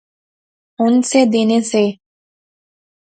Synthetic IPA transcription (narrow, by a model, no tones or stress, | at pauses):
ʊnsed̪eːnese